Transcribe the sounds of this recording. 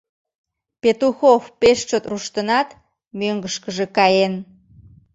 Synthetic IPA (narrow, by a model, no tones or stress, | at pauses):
pet̪uxofpeʃt͡ʃot̪ruʃt̪ənɑt̪ | møŋɡəʃkəʒekɑjen